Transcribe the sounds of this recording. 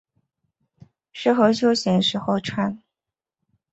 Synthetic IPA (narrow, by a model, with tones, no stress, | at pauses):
ʂɻ̩˥˩xɤ˧˥ɕjo˥ʊɕjɛ˧˥nʂɻ̩˧˥xo˥˧ʊʈ͡ʂʰwa˥˩n